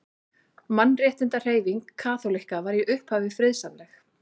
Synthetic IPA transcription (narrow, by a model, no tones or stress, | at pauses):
manːrjɛːht̪ɪnt̪ar̥eːjviŋkʰːaːθowlihkavaɾiʔʏhphaːvɪfɾɪðsanlɛx